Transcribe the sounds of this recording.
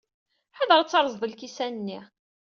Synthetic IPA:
ħəðəʁt͡sːɑɾˤzˤðˤəlkisænənːi

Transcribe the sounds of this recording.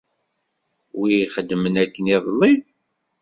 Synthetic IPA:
wiχəd̪ːəmənækːəniðˤəlːi

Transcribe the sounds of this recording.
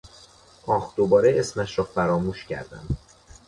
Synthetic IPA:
ʔɒːxd̪̥obɒːɾeesmæʃɾɒːfæɾɒːmuːʃcʰæ̰ɾd̪æ̰m

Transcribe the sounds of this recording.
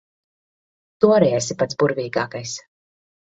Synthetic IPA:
t̪uɔɾɛɛsipat̪sbuɾviːɡaːkajs

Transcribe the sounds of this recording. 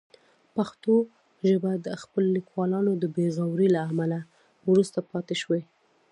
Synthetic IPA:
paxt̪o | ʒəbad̪əxpəlolikwɑlɑnod̪əbeɣawɾilaːmala | wɾust̪apɑt̪eʃwe

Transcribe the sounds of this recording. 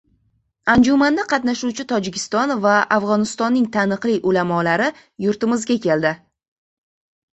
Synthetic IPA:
and͡ʒumand̪aqʰɑt̪naʃuwt͡ʃʰɪt̪ʰɒd͡ʒɪkʲʰɪst̪ɒnvaafʁɒnɪst̪ɒnːɪŋt̪ʰanɨqlˠɪjʔolamɒlaɾɪ | jʊɾt̪ɪmɪzɡʲakʲe̞ld̪ɪ

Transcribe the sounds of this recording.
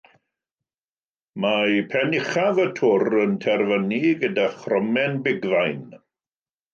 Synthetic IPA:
majpʰɛnɪχavətʰʊrəntʰɛrvəniɡədaχrɔmɛnbɪɡðajn

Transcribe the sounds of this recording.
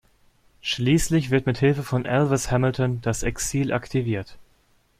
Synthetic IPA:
ʃliːslɪçv̥ɪɐtmɪthɪlfəfɔnʔɛlvɪshɛml̩tɔnd̥asɛksiːlʔa̰ktʰiviːɐt

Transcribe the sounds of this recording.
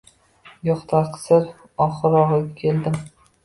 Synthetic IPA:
jɒχt̪ʰaɾqʰɨ̥sɪɾ | ɒχɨɾɒʁɨkʲʰe̞ld̪ɪm

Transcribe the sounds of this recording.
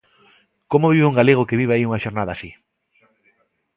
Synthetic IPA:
komoβiβuŋɡaleɣ̞okeβiβeaiuŋaʃoɾnaðasi

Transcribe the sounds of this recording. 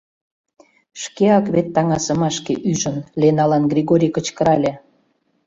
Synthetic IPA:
ʃkeɑkβet̪ːɑŋɑsə̆mɑʃkeʔyʒə̆nlʲenɑlɑnɡrʲiɣoɾʲikə̆t͡ɕkəɾɑlʲĕ

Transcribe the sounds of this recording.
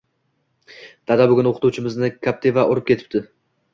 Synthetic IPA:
d̪̥ad̪abʊɡʲʊnoqʰɨ̥t̪ʰuwt͡ʃʰɪmɪznɪkʰʲap̚t̪ʰevaʔoɾɪp̚kʲe̞t̪ʰɪ̥t̪ɪ

